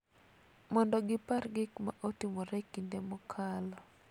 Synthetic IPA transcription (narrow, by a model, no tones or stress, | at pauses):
mɔndɔɡɪparɡɪkma̰ʔotimɔɾɛkːindemɔkʰalɔ